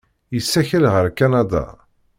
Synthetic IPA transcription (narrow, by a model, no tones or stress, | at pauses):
jəsːæçəlʁəɾkanad̪a̰